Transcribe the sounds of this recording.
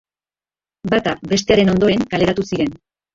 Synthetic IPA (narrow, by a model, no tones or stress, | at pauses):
bat̪abe̞st̪e̞aɾe̞no̞nd̪o̞ɾe̞ŋkale̞ɾat̪usiɾe̞n